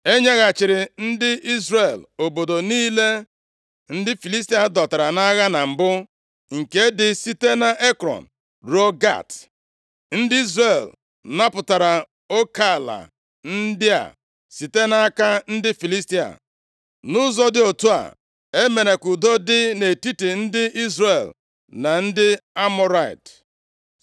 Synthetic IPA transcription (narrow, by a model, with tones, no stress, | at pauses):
e˦ɲe˦ɣa˨t͡ʃɪ˨ɾɪ˨n̩˦dɪ˦i˦zre˨lo˨bo˨do˨niː˦le˦ | n̩˦dɪ˦fi˨li˦s̬ti˦a˨dɔ˨ta˨ɾa˨na˦ɣa˦na˨m̩˨bʊ˦ | ŋ̩˨ke˦dɪ˦si˦te˦na˨ʔe˦kɾɔ̰˨n̩˨ | ɾo˦ɡa̰˦˨t | n̩˦dɪ˦i˦zɾe˨l | na˦pʊ˨ta˨ɾa˨ | o˦ka˦˨la̰˨ | n̩˦dɪ˦a̰˨ | si˨te˦na˦a˦ka˦n̩˦dɪ˦fi˨li˦sti˦a̰˨ | nʊ˦zɔ˦dɪ˦o˨tu˦a̰˨ | e˦me˨ne˨kʊ˨do˦dɪ˦ne˨ti˦te˨n̩˦dɪ˦i˦zre˨l | na˨n̩˦dɪ˦a˦mɔ˦ɾa˦˨ḭ˨t